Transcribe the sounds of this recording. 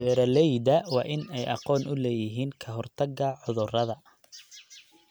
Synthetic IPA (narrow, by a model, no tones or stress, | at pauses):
ɛːɾɐlɛjd̪ɐwɑːʔɪnɛjʔɑ̰qɔːnʊlɛːjɪɦiːŋkʰɐɦɔrt̪ʰɐɡɐʕʊðʊrɐðɐ